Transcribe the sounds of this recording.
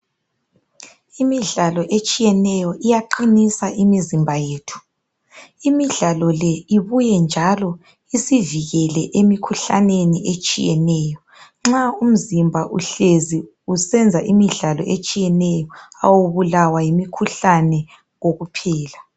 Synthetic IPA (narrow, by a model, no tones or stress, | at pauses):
imiɮalɔʔet͡ʃʼijɛnɛjɔʔijaǃinisaʔimizimbʱajeːtʰu̥ | imiɮalɔlɛiβujɛnd͡ʒʱalɔ | isiviɣɛlɛʔemikʰuɬa̰neniʔet͡ʃʼḭjɛnɛːjɔ | ŋ͡ǁaum̩zimbʱaʔuɬezi | usɛnd͡zʱaʔimiɮalɔ̰ʔet͡ʃʼijɛnɛjɔawoβulawajimikʰuɬanɛ | ŋoɣupʰɛːla